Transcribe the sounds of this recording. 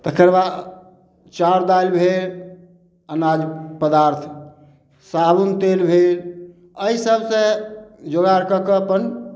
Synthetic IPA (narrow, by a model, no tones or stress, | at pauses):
t̪əkʰəɾba | t͡ʃaɾd̪ajlbʱel | ənad͡ʒpəd̪aɾt̪ʰ | sabunt̪elbʱel | əisəbʱsẽd͡ʒoɡaɾkəkəpən